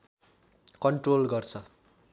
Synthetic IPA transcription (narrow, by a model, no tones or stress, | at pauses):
kʌɳʈrolɡʌrt͡sʰʌ